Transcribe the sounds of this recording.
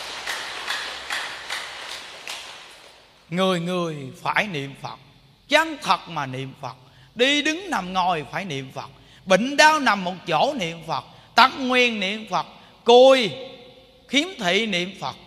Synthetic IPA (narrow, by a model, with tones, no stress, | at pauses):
ŋɨ˨˩əjŋɨ˨˩əjfaː˧˩jnḭ˧˨əmfə˨˩t̚ | t͡ɕa˧ŋt̪ʰə˨˩t̚maː˨˩nḭ˧˨əmfə˨˩t̚ | ɗi˧ɗɨ˨˦ŋna˨˩mŋɔ˨˩jfaː˧˩jnḭ˧˨əmfə˨˩t̚ | ɓï˧˨ŋ̟ɗaː˧wna˨˩mːo˨˩t̚t͡ɕo˧˥˦nḭ˧˨əmfə˨˩t̚ | t̪a˧ŋ̚ŋwi˨˩ənːḭ˧˨əmfə˨˩t̚ | ko˨˩j | xi˨˦əmt̪ʰḭ˧˨nḭ˧˨əmfə˨˩t̚